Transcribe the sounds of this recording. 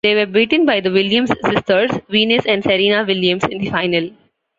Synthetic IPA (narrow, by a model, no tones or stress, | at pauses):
d̪̥eːʋəɾbiːʈə̃nbaɪd̪əʋɪljə̃mzsɪsʈəɾzʋĩːnɪsɛ̃ɳɖsɛɾiːnaʋɪljə̃mzɪ̃nd̪ifaɪnəl